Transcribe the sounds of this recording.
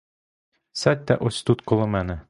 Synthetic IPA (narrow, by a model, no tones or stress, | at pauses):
sæt̪̚ʲt̪æ̰ʔosʲt̪ut̪kŏlˠɤ̆mænɘ̆